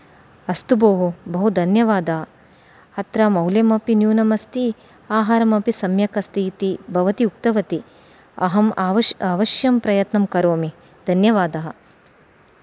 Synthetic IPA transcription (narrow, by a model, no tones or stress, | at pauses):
ɐst̪uboːɦubɐɦud̪ʱɐnjɐʋaːd̪ɐɦɐ | hɐt̪ɾaːmɐwljɐmɐpinjuːnɐmɐst̪i | aːɦaːɾɐmɐpisɐmjɐkɐst̪iːt̪ibʱɐʋɐt̪iukt̪ɐʋɐt̪i | ɐ̰ɦɐmaːʋɐaːʋɐʃjɐmpɾɐjɐt̪nɐmkɐɾoːmi | d̪ʱɐnjɐʋaːd̪ɐɦɐ̆